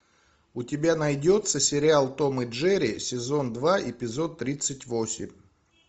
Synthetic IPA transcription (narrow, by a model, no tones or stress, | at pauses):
ʊtʲɪbʲanɐjdʲo̞t̪səsʲɪɾʲɪalˠt̪o̞mɨʐɛɾʲɪsʲɪzo̞nd̪vaʔɪpʲɪzo̞t̪ːɾʲit̪sɨtʲvo̞sʲɪ̰mʲ